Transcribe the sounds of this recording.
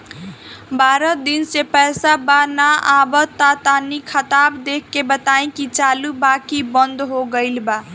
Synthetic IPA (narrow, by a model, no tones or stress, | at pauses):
baɾəd̪insepɛjsabanaabət̪at̪anikʰət̪abd̪ekʰːebət̪aẽkit͡ʃalubakibənd̪ɦoɡəɪlba